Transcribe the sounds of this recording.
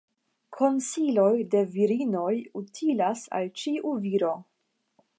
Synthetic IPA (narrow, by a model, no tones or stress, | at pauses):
kʰo̞nsilo̞jde̞viɾino̞jutʰilasa̰lt͡ʃiʔuviɾo̞